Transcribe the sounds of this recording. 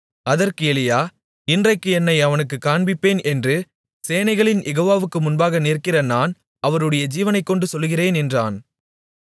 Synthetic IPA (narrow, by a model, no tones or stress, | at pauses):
ɐðɐrkɯɛlɪjaː | ɪndrɐɪkːɯɛnːɐɪɐʋɐnɯkːɯkːaːɳbɪpːeːnɛndrɯ | seːnɐɪɣɐɭɪnʔɛɣoːʋaːʋɯkːɯmʊnbaːɣɐneːrkɪrɐnaːn | ɐʋɐɾɯɽɐjɐd͡ʒiːʋɐnɐɪkːɔɳɖɯsɔlːɣɪreːnɛndraːn